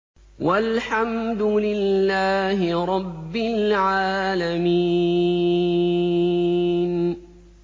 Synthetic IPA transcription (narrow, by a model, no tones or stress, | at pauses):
walħamd̪ʊlɪlːaːɦɪɾˤɑbːɪlʕaːlamiː | n